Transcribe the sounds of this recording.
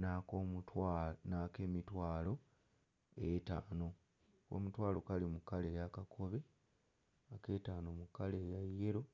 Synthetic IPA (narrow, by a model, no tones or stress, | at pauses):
nakoutanakeːmitwaːlo̞ | etaːno̞ | ko̞̰mutwaːlo̞kalimukːale̞ːjakakʰo̞βe̞ | ake̞ːtaːno̞mukːaleːjajːeɾo̞